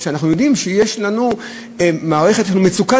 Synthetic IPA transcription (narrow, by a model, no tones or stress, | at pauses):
ʃeanaχnujo̞dimʃejeʃlanu | maːʁeχet̪jeanumet͡suka